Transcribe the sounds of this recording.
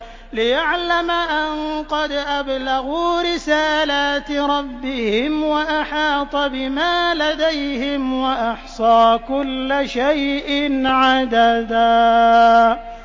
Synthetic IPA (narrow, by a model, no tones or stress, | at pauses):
lɪjaʕlamaʔanqɑd̪ʔablaɣuːɾɪsaːlaːt̪ɾˤɑbːɪhɪmwaʔaħɑːt̪ˤɑbɪmaːlad̪ajhɪmwaʔɑħsˤɑːkʊlːʃajʔɪnʕad̪ad̪aː